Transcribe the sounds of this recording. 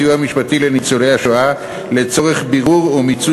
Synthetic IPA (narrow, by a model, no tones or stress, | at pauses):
iuhamiʃpatile̞nit͡solejhaʃoa | le̞t͡so̞ʁe̞χbiʁuʁumit͡su